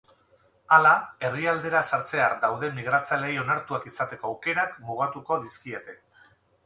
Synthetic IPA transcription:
alae̞riald̪e̞ɾasaɾt͡se̞aɾd̪awðe̞miɣ̞ɾat͡salejo̞naɾt̪uakisat̪e̞ko̞awke̞ɾakmuɣ̞at̪uko̞ðiskiet̪e̞

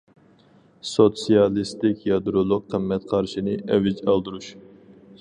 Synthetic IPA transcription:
sot̪sijɑlˠɨst̪ɪkʲjɑd̪ɾolˠok̚qʰəmːɛt̪qʰɑɾʃinɨʔɛvɪd͡ʒɑlˠd̪uɾuʃ

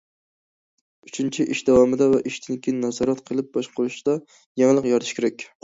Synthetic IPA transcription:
ʊt͡ʃʰɪnt͡ʃʰɪʔɪʃd̪awɒmɪd̪avɛʔiʃd̪ʰɪnkʲinːɑzɒɾɑt̪qʰɨlˠɪp̚bɒʃqʰoɾʊʃd̪ɑ | jaŋlˠɨqjɒɾt̪ʰɪʃkʲʰeɾɛk̚ʲ

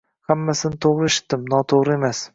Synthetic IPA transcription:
hamːasɪnɪt̪ʰoʁɾɪeʃɪ̥t̪̚d̪ɪmnɒt̪ʰoʁɾɪe̞mas

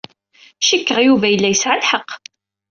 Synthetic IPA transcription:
ʃəkːəʁjuvæjəlːæjəsʕalħəqː

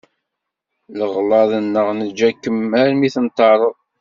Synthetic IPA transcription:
ləʁlɑðˤənːəʁnəd͡ʒːækːəmæɾmiθənt̪ːɑɾˤəðˤ

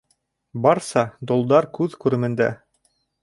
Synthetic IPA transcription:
bɑɾsɑd̪ŏlˠd̪ɑɾkʉðkʉɾɘ̆mɘ̆nd̪æ̰

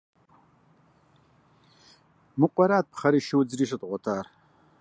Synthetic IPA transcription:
mɨqʷʼɔɾaːt̪̚pχɐɾiːʃɪwd͡zriːʂ̬ɨt̪ʼʁʷɔtʰaːr

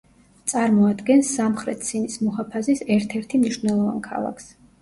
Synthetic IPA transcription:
t̪sʼaɾmɔad̪ɡɛnsːamχɾɛt̪ʰsʰinismɔhapʰazisɛɾt̪ʰɛɾt̪ʰimniʃvnɛlˠɔva̰nkʰa̰lˠa̰kʰs

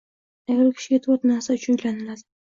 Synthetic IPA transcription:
aɡʲaɾkʲʰɪ̥ʃɪɡʲat̪ʰwat̪naɾsat͡ʃʰʊjlanɪlad̪ɪ

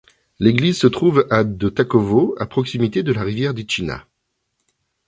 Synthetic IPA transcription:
leɡlizsət̪χuvad̪ət̪akɔvoa̰pχɔksimit̪ed̪əlaʁivjɛʁd̪et͡ʃina̰

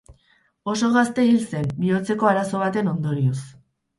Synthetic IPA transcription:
o̞so̞ɣ̞ast̪e̞ilse̞mbio̞t͡se̞ko̞aɾaso̞β̞at̪e̞no̞nd̪o̞ɾios

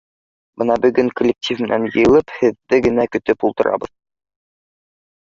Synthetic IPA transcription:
bɤnɑbɵ̆ɡɵŋkolʲːek̚tʲifmɘ̆nænjɤ̰̆jɤ̆lˠɤphɘ̆ðːɘɡɘ̆nækɵ̆t̪ɵpulˠt̪ɤ̆ɾʔɑ̰bɤð

